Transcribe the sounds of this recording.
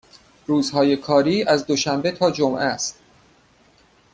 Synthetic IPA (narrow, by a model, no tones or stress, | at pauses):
ruːzhɒːje̞kʰɒːɾiːʔæzd̪oʃæmbet̪ʰɒːd͡ʒomʔæst̪